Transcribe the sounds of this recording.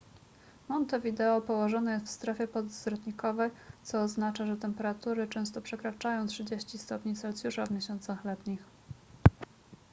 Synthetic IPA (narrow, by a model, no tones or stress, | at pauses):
mɔnt̪ɔvʲid̪ɛɔpɔwɔʐɔnɛjɛst̪fst̪ɾɛfʲjɛpɔzzɾɔt̪ɲikɔvɛjt̪sɔːznat͡ʂaʐɛt̪ɛmpɛɾat̪uɾɘt͡ʂɛ̃w̃st̪ɔpʂɛkɾat͡ʂajɔ̃w̃tʂɘd͡ʑeɕt͡ɕist̪ɔpɲisɔlt̪sʲjuʂavmʲjeɕɔnt̪saxlɛt̪ɲix